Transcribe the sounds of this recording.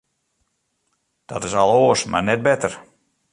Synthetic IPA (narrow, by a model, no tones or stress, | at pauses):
d̥ɔtɪsalˠoəsma̰rnɛt̚bɛtər